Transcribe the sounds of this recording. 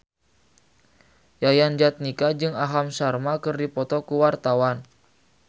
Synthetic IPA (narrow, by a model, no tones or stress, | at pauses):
jajand͡ʒat̪̚nikad͡ʒɨŋaɦamsarmakɨrdipɔt̪ɔkuwart̪awan